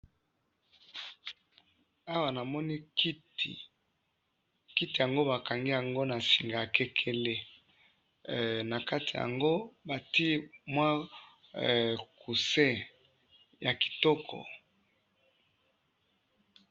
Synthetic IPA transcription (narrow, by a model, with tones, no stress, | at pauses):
a˦wa˨na˨mɔ˦ni˦ki˦ti˨ | ki˦ti˨ja˨ŋɡo˦ba˨ka˨ŋɡi˦ja˨ŋɡo˦na˨si˨ŋɡa˨a˨kɛ˦kʰɛ˦le˦˨ | na˨ka˦ti˨ja̰˨ŋɡo˦ba˨ti˦mwa˦˨ | ku˨sɛ˦ | ja˨ki̥˨tɔ˦kʰɔ̰˨